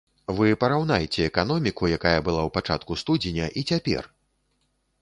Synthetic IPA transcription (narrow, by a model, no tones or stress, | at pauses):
vɨpɐɾawnajet͡sʲɛːkanɔmʲikujakajɐbɨlˠawpat͡ʂa̰t̪kust̪ud͡zʲenʲɐʔit͡sʲapʲɛ̰r